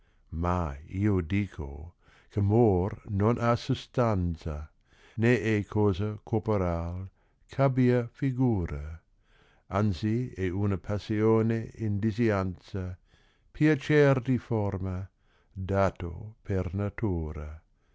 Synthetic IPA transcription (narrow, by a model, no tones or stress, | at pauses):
maiːodiːkʰo̰ | kʰemornonʔasust̪ant͡sa | neɛkʰoːzakʰopoɾal | kʰabiafiɡuːɾa | ansiɛunɐpʰasioːneind̪iziansa | pʰjat͡ʃɛrd̪ifɔrma | daːt̪o̰pʰernat̪uːɾa